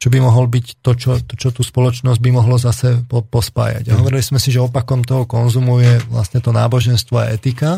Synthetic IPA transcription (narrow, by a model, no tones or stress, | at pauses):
t͡ʃɔbimɔɦɔlbict̪ɔt͡ʃɔt̪ɔt͡ʃɔt̪uːspɔlɔt͡ʃnɔzɟ̚bimɔɦlɔzasɛpɔpɔspa̰ːja̰ɟaɦɔʋɔɾilismɛsiʒɛɔpakɔmt̪ɔɦɔkɔnzumujɛʋla̰sɲɛt̪ɔna̰ːbɔʒɛnst̪ʋɔa̰ɛt̪ika